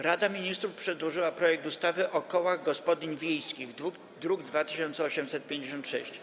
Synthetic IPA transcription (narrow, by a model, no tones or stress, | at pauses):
ɾad̪amʲiɲist̪ɾufpʂɛd̪wɔʐɘwapɾɔjɛk̚t̪ust̪avɘʔɔkɔwaɣɡɔspɔd̪ʲiɲvʲjejskʲiɣ | d̪ɾuɡd̪vat̪ɘ̥ɕɔnt̪sɛɔɕɛmsɛt̪̚pʲjẽɲd͡ʑeɕ̬ɔnt̪ʂɛ̰ɕt͡ɕ